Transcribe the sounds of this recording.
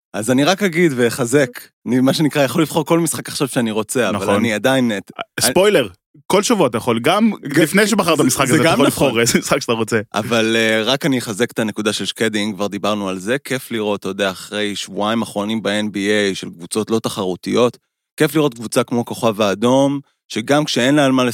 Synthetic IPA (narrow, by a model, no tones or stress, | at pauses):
azaniʁakhaɡid̪veχaze̞k | nimaʃe̞nikʁajaχo̞lːifχo̞ʁko̞lmisχakaχʃav̥ʃeaniʁo̞t͡se̞avnalaniad̪ainetspojleʁ | ko̞lʃavuat̪̬ajaχo̞lɡamlifnejʃebaχaʁt̪̬amisχakazeɡaollifχoʁezemisχakʃat̪aʁot͡seʔa̰valeʁakaniχazekt̪ane̞kud̪aʃe̞lʃked̪iŋkvaʁd̪ibaʁnualze̞kʰe̞fliʁo̞t̪ojod̪eaːχʁe̞jʃvuaimaχʁo̞nimbeenbiejʃe̞̰lkvut͡so̞t̪lo̞t̪aχaʁut̪ijo̞t̪ | kefliʁo̞t̪̚ɡvut͡sakmo̞ko̞χavaːd̪o̞m | ʃe̞ɡamkʃeenlaalmale